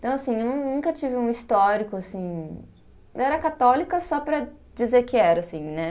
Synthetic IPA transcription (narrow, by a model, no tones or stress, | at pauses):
t̪ɐ̃w̃asĩewnɐ̃w̃nũkɐt͡ʃivɪũist̪ɔɾikʊasĩ | ɛɾɐkat̪ɔlikɐsɔpɾɐ | d͡ʒizeɾkɪɛɾɐsĩnɛ